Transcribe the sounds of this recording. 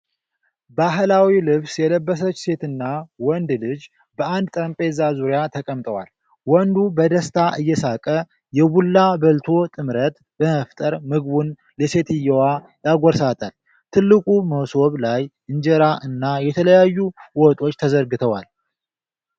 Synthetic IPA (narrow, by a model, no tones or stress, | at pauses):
baɦlawilɨβsjɛləbːəsət͡ʃːse̞t̪ɨnːawɔnd̪lɨd͡ʒ | bəʔand̪̚t̪ʼɾəmpʼe̞zazuɾjat̪ʰəkʼəmt̪ʼəwa̰l | wɔnd̪ubəd̪əst̪ʰaʔɨjːɛsakʼə | jɛβulːabəlt̪ʰo̞t̪ʼɨmɾət̪ | bəməft̪ʼəɾmɨɡβun | lɛse̞t̪ɨjːɛwa | jaɡʷɔɾsat̪ʼal | t̪ʰɨlːɨkʼuməwso̞βlajʔɨɲd͡ʒɛɾaʔɨnːajɛt̪ʰələjajːuwɔt̪ʼo̞t͡ʃːt̪ʰəzəɾɡɨt̪ʰəwal